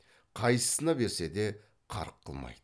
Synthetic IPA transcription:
qʰɑjsə̥sənɑbe̞ɾse̞d̪e̞ | qʰɑ̰ɾəqʰːəlˠmɑ̰jd̪̥ə

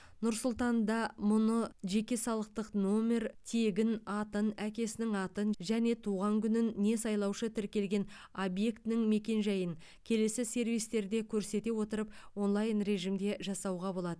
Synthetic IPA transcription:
nʊɾsʊlˠt̪ɑnd̪ɑmʊnəʒe̞kʲe̞sɑlˠəq̚t̪əqno̞me̞rt̪ʰe̞ɡʲɪnɑt̪ənækʲe̞sɪnɪŋɑt̪ənʒæne̞t̪ʰuʁɑŋkʲʏnɪnːe̞sɑjlˠɑwʃət̪ʰɪɾkʲe̞lɡʲe̞n | obje̞kt̪ɪnɪŋme̞kʲe̞nʒɑjəŋ | kʲʰe̞le̞sɪse̞ɾvijst̪e̞ɾd̪e̞kʲʰɵɾse̞t̪e̞wo̞t̪əɾəpwo̞nlˠɑjnre̞ʒimd̪e̞ʒɑsɑwʁɑbo̞lˠɑd̪ə

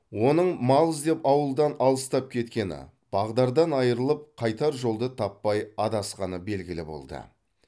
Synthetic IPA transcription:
wo̞nəɴmɑlˠəzd̪e̞pɑwəlˠd̪ɑnɑlˠəst̪ɑp̚kʲʰe̞t̪kʲe̞nɪ̰ | b̥ɑʁd̪ɑɾd̪ɑnɑjəɾəlˠəp̚qʰɑjt̪ɑɾʒo̞lˠd̪ət̪ʰɑpːɑjɑd̪ɑsqɑnəbe̞lɡʲɪlɪbo̞̰lˠd̪ə̰

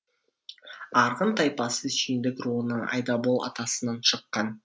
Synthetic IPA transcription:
ɑɾʁənt̪ʰɑjpɑsəʃijnd̪ɪkɾuənəɴɑ̰jd̪ɑbolˠɑ̰t̪ɑsənɑnʃəqːɑn

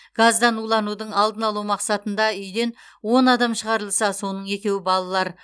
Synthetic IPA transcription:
ɡ̥azd̪ɑnulˠɑnud̪əɴɑlˠd̪ənɑlˠuwmɑqsɑt̪ənd̪ɑʏjd̪e̞n | wo̞nɑd̪ɑmʃəʁɑɾəlˠsɑso̞nəɴe̞kʲe̞wɪbɑlˠɑlˠɑɾ

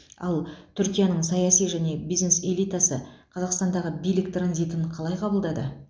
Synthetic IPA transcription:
ɑ̰lˠt̪ʰʏɾkʲijanəɴsɑjɑsijʒæne̞bijzne̞se̞lʲijt̪asəqʰɑzɑqst̪ɑnd̪ɑʁəbijlɪkt̪ɾanzijt̪ɪɴqʰɑlˠɑjqʰɑbəlˠd̪ɑd̪ə̰

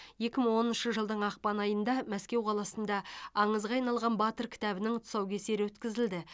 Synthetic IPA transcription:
je̞kʲɪməɴwo̞nənʃəʒəlˠd̪əɴɑq̚pɑnɑjənd̪ɑmæskʲe̞wqʰɑlˠɑsənd̪ɑɑɴəzʁɑːɑjnɑlˠʁɑnbɑt̪əɾkʲʰɪ̥t̪æbɪnɪŋʊt̪sɑwkʲʰese̞ɾɪwɵt̪kʲɪzɪld̪ɪ

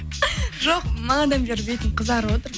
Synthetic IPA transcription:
ʒoq̚mɑɑd̪ɑmbeɾbejt̪ɪɴqʰəzɑɾwot̪əɾ

